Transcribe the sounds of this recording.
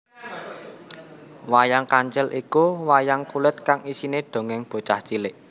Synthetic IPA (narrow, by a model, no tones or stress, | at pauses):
wajaŋkaɲt͡ʃɛlʔikuwajaŋkulɪt̪̚kaŋisineɖ̥o̤ŋɪŋb̥o̤t͡ʃaht͡ʃilɪʔ